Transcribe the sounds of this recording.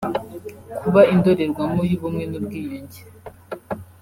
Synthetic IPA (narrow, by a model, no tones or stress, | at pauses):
kʰuβaindo̞ɾe̞ɾɡwamojuβumŋe̞nubɡiːjoɲɟe